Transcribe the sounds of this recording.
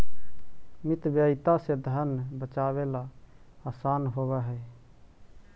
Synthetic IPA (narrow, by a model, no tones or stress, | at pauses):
mit̪bjəjt̪ased̪ʱənbət͡ʃaβela | asanɦoβɛɦɛj